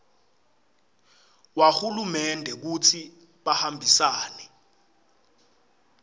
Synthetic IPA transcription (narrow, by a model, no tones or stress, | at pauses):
wahulumɛndʱɛk̬ut͡sʰi | ɓahambʱisaːnɛ